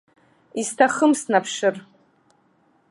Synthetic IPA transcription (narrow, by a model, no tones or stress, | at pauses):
istʰaχəmsnapʰʂɨr